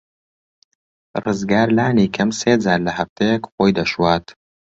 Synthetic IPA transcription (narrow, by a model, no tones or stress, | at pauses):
rɨzɡaːɾlaːniːkʰɐmseːd͡zaːɾlɐhɐft̪ʰejekxoːjd̪ɐʃwaːt̪